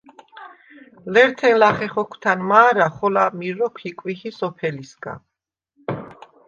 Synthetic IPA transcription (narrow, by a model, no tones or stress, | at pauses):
lɛɾt̪ʰɛnlaχɛχɔkʷʰt̪ʰanmaːɾaχɔlamiɾɔkʰikʼwiχisɔpʰɛlisɡa̰